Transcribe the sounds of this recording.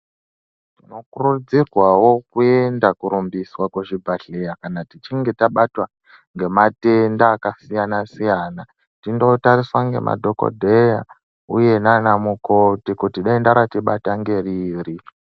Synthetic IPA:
tino̞kurud͡zirwawo̞kue̞ndakuɾumbiswakweʐibʱaɬe̞jakanatit͡ʃiŋɡe̞taɓatwa | ŋɡe̞mate̞ndaːkasijanasijaːna | tindo̞tariswaŋɡe̞̰mʔa̰dʱoko̞̰dʱe̞ja | uje̞nanamukotikutiɗaendaɾatiɓataŋɡe̞riːri

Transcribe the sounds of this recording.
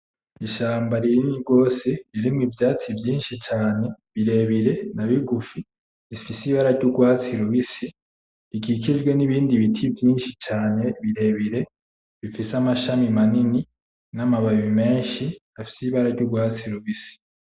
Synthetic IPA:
iʃaːmbaɾiɾiniɡo̞ːseɾiɾimŋivjaːt͡sivjiːnʃit͡ʃaːne̞βiɾe̞βiɾe̞naβiɡufi | ifisiβaɾaɾɟuɡwaːt͡siɾuβisi | ikik̬id͡ʒɡwe̞niβiːndiβitʰivjiːnʃit͡ʃaːne̞βiɾe̞βiɾe̞ | βifisamaʃamimanini | namaβaβime̞ːnʃi | afi̥siβaɾaɾɟuɡwaːt͡siɾuβisi̥

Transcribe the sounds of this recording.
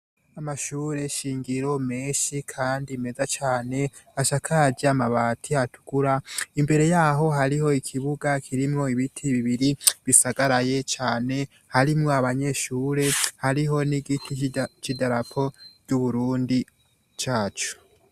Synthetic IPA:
amaʃuːɾe̞ʃiːŋɡiɾo̞meːʃikʰaːndime̞zat͡ʃaːne̞ | aʃakʰaːɟiamaβaːtʰiatʰu̥ɡ̥uɾaimbe̞ɾe̞jaːɦo̞ɦaɾiho̞ikʰiβuɡakʰiɾimŋo̞iβitʰiβiβiɾiβisaɡaɾaje̞t͡ʃaːne̞ | haɾimŋoaβaɲe̞ʃuːɾe̞haɾiɦo̞niɡitʰit͡ʃidaɾapʰo̞ɟ̥uβuɾuːndi | t͡ʃaːt͡ʃu̥

